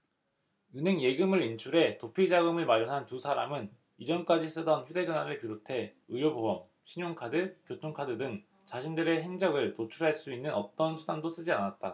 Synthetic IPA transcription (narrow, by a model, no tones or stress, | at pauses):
ɯnɦe̞ŋje̞ɡɯmɯɾint͡ɕʰuɾe̞topʰid͡ʑaɡɯmɯɭmaɾjʌnɦantusʰaɾamɯn | id͡ʑʌnk͈ad͡ʑis͈ɯdʌnçjude̞d͡ʑʌnɦwaɾɯɭpiɾotʰe̞ | ɯjobobʌm | ɕʰiɲoŋkʰadɯkjotʰoŋkʰadɯdɯŋ | t͡ɕaɕʰindɯɾe̞ɦe̞ŋd͡ʑʌɡɯɭtot͡ɕʰuɾɦaɭs͈uinːɯnʌ̰t͈ʌnsʰudandos͈ɯd͡ʑianat̚t͈a